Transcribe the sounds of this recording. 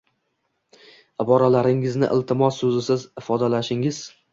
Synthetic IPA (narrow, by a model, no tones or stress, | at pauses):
ɪbɒɾalaɾɪŋɪznɪ̰ʔɪ̰lˠt̪ʰɪmɒsːɵzɪsɪzɪfɒd̪alaʃɪŋɪz̥